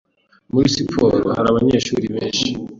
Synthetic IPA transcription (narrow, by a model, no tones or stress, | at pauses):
muɾisipʰoɾohaɾaβaɲe̞ʃuːɾiβeːnʃi